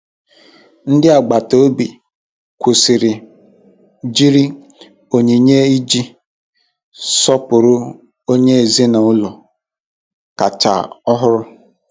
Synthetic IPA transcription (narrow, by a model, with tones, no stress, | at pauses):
n̩˦dɪ˦a˨ɡ͡ba˨to˦bi˨ | kʷu˨si˨ɾɪ˨ | d͡ʒi˦ɾi˦ | o˨ɲe˨ɲe˦i˦d͡ʒi˦ | sɔ˦pʊ˨ɾʊ˦ | o˦ɲe˦e˨ze˦na˨ʊ˦lɔ˨ | ka˨t͡ʃa̰˨ɔ˦ɦʊ˦ɾʊ˦